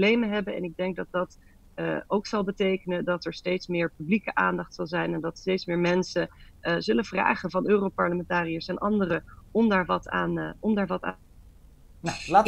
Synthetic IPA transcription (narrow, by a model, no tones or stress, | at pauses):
lejməɦɛbəɛ̰nɪɡ̚dɛŋk̚dɑt̚dɑtː | owksɑlˠbətejkənədɑtɛɹstejtsmɪːɹpyblikəʔaːndɑχtsɑlˠzɛjnɛndɑtstejtsmɪːɹmɛnsəzɵləvra̰ːχəvɑnøːrowpɑɹləmɛntaːrijəsɛnʔɑndərəɔmdaːɹʋɑta̰ːnɔmdaːɹʋɑtaː | nlaːt